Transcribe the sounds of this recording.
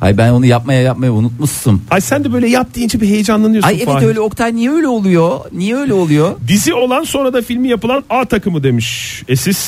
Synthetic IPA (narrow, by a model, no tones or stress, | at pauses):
ha̰jbæno̞nujap̚majajap̚majaunut̪̚musɯmajsænd̪ɛbø̞jlʲɛjap̚t̪ʰɯːnd͡ʒɛbiɦejɛd͡ʒanlˠanɯjohsajevɛølʲɛo̞kt̪ʰaɾnijɛø̞ːlʲɛo̞lˠujo̞nijɛø̞ːjlʲɛolˠujo̞d̪izio̞lˠanso̞nɾad̪afilʲmijapɯlˠanaːt̪ʰakɯmɯd̪e̞miʃesiz̥